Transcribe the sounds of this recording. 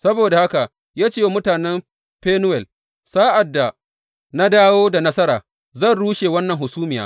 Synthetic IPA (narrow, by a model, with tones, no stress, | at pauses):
sɐ˦boː˨da˨ha˦ka˨ | jaː˦t͡ʃeː˦˨mʊ˦taː˨nɛ˦m | ɸeː˦nʊ˦wɛ˨l | saː˦ʔa˨dːa˨ | na˦daː˦woː˦da˨nɐ˦sɐ˦ɾaː˨ | zɐ˦˨nɽuː˦ʃeː˨wɐ˦nːɐ˨ŋhʊ˨suː˦mɪ˨ja̰ː˦